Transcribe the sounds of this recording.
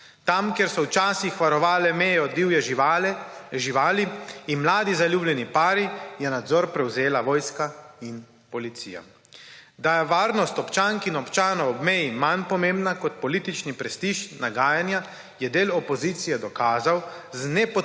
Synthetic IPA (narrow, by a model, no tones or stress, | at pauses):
t̪amkjɛɾsɔwt͡ʃaːsixʋaɾɔʋaːlɛmɛːjɛɔd̪iwjɛ | ʒiʋaːliːnmlaːd̪izaljuːblɛnipaːɾijɛnad̪zɔɾpɾɛwzeːlaʋɔːjskain | pɔlit̪sḭːja̰ | d̪ajɛʋaːɾnɔst̪ɔpt͡ʃaːŋkinɔpt͡ʃaːnɔɔbmɛjimanpɔmeːmbnakɔt̪pɔliːt̪it͡ʃnipɾɛst̪iːʃnaɡaːjanja | jɛd̪eːlɔpɔziːt̪sijɛd̪ɔkaːzawznɛpɔ